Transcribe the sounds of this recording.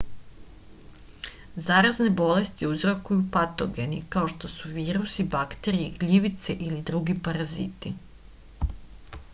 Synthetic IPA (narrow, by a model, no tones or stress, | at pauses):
zaːɾazne̞bo̞le̞st̪iuzɾokujupat̪o̞ɡe̞nikaoʃt̪o̞suʋiːɾusibakt̪e̞ɾiiɡʎiʋit̪seʔilid̪ɾuɡipaɾazḭt̪i